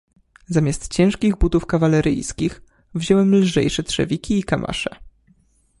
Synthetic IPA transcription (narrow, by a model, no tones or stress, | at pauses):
zamʲjast̪t͡ɕɛ̃w̃ʂkʲiɣbut̪ufkavalɛɾɘ̰jskʲix | vʑɔwɛmlʐɛ̰jʂɛtʂɛ̰vʲikʲiːkamʔa̰ʂɛ